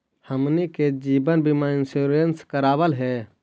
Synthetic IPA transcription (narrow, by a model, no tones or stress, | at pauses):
həmniked͡ʒibənbimaɪnsuɾenskəɾaːbəlɦɛ